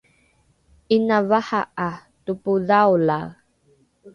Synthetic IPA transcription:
ʔinavahaʔatupuðawla

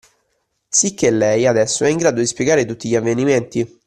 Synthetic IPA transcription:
sikʰːelːɛjad̪ɛsːoɛiŋɡɾaːd̪od̪ispjeɡaːɾet̪ut̪ːiʎiavːeniment̪i

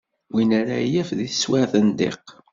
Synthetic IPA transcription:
winæɾa̰jæfðiθəswaɾθənd̪ḛq

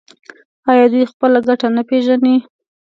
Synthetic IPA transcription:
ɑjɑd̪wujxpəlaɡaʈanapeʒani

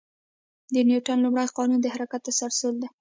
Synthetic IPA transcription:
d̪ənjuʈanlumɽajqɑnund̪əhaɾakat̪̚ːəsaɾsəld̪a

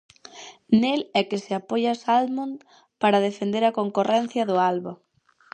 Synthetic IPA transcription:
nelɛkɪseapojɐsalmun | paɾɐðefend̪eɾɐkoŋkorɛn̟θjɐðʊalβo

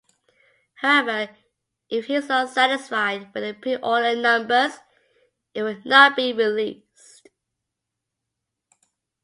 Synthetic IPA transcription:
haʊɛvə˞ | ʔɪfhizəsæɾɪsfaɪd̚wɪðəpʰiʔɔnənʌ̃mbəz̥ | ɪt̚wədnət̚b̥iɹɪli | s | t

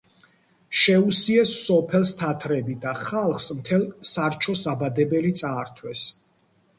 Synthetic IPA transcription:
ʃɛusiɛsːɔpʰɛlˠst̪ʰat̪ʰɾɛbid̪aχalˠχsmt̪ʰɛlˠsaɾt͡ʃʰɔsabad̪ɛbɛlit̪sʼaːɾt̪ʰwɛs

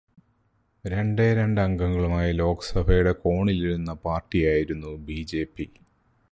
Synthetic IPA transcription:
ɾe̞ɳɖeːɾe̞ɳɖɐŋɡɐŋːɐɭumaːjɐlo̞ːkɐsɐbʱɐjuɽe̞ko̞ːɳiliɾunːɐpaːrʈːijaːjiɾunːubiːd͡ʑe̞ːpːi

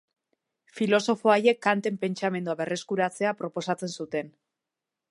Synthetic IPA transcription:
filo̞so̞foaje̞kːant̪e̞mpe̞nt͡ʃame̞nd̪uaβe̞rʔe̞skuɾat͡se̞apɾo̞po̞sat͡se̞nsut̪e̞n

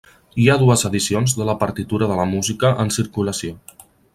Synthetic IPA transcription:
iaðuəzəðisionzðələpəɾt̪it̪uɾəðələmuzikəʔənsiɾkuləsio

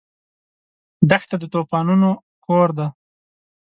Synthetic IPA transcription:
d̪axt̪ad̪ət̪opɑnuno | koɾd̪a

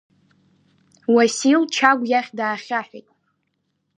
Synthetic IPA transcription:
wasilt͡ʃʰaɡʷjaχʲdaːχʲaħʷᶣejtʼ

